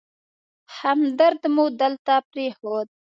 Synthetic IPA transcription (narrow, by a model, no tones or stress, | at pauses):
hamd̪əɾd̪mud̪əlt̪aːpɾeːhoːd̪̚